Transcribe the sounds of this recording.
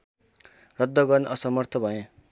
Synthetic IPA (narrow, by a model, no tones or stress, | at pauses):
rʌd̪ʱːʌɡʌrniʔʌsʌmʌrt̪ʰʌbʱʌjẽ